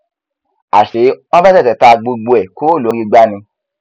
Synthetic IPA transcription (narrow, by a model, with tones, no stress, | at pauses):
a̰˨ʃe˨˦ɔ˦ba˦tɛ˦˨tɛ˨˦ta˧ɡ͡bo˧ɡ͡bo˧ɛ˨ko˦˨lo˨˦je˧ɡ͡ba˦nĩ˧